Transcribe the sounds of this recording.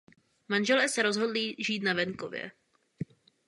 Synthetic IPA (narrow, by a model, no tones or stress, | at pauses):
manʒɛlɛːsɛɾo̞zɦo̞dliʒiːt̪navɛŋkovjɛ̰